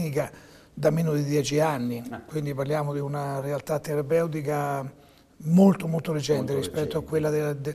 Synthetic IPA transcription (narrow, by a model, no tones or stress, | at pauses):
nika | d̪ameːnod̪id̪jɛt͡ʃianːikwind̪iparljaːmod̪iunarealt̪at̪ːeɾapɛwt̪̬ika | molt̪omolt̪oled͡ʒɛnt̪eɾispɛt̪ːoakːwelːad̪d̪